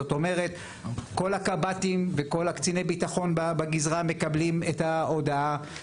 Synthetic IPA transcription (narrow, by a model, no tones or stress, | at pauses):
oto̞me̞ʁe̞t | ko̞lakabatimveko̞lakt͡sine̞jbitaχo̞nbabaɡizʁame̞kablimetao̞daa